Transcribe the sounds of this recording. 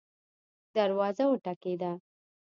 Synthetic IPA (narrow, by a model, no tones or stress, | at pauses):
d̪aɾwɑzawəʈaked̪a